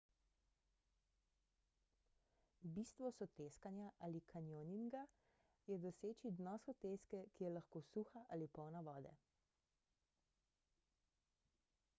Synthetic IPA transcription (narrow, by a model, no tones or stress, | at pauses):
biːst̪ʋɔsɔt̪eːskanjaʔalikʰanjoninɡa | jɛd̪ɔseːt͡ʃid̪nɔsɔt̪eːskɛkijɛlaxkoːsuːxaʔalipɔwnaʋɔːd̪ɛ̰